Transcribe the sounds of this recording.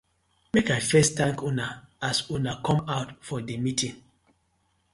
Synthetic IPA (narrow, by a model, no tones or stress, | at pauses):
mekaɪfɛstãŋkunaasunakʰɔ̃maʊtfɔdemitĩŋ